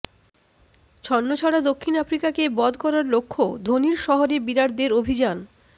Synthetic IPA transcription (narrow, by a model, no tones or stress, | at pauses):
t͡ɕʰɔnːot͡ɕʰɔɽad̪okʰːinafɾikakebɔd̪ʱkɔɾaɾlokʰːod̪ʱoniɾʃɔɦoɾebiɾaɽd̪eɾobʱid͡ʑan